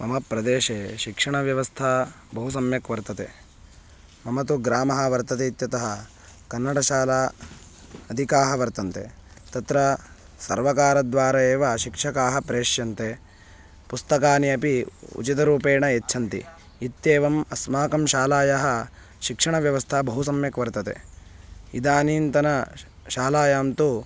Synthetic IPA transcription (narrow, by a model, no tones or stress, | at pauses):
mɐmɐpɾɐd̪eːʃeːʃikʂɐɳɐʋjɐʋɐst̪ʰɐ | bɐɦusɐmjɐkʋɐɾt̪ɐt̪eː | mɐmɐt̪uɡɾaːmɐɦɐʋɐɾt̪ɐt̪eit̪jɐt̪ɐɦɐ | kɐnːɐɽɐʃaːlaː | ɐd̪ʱikaːɦɐʋɐɾt̪ɐnt̪et̪ɐt̪ɾɐ | sɐɾʋɐkaːɾɐd̪ʋaːɾɐjeːʋɐʃikʂɐkaːɦɐpɾeːʂjɐnt̪e | pust̪ɐkaːniɐpiṵt͡ʃit̪ɐɾuːpeːɳɐjetːʃʰɐnt̪ḭ | it̪jeːʋɐmɐsmaːkɐmʃaːlaːjɐɦɐ | ʃikʂɐɳɐʋjɐʋɐst̪ʰɐbɐɦusɐmjɐkʋɐɾt̪ɐt̪ḛ | id̪aːniːnt̪ɐnɐ | ʃaːlaːjaːmt̪u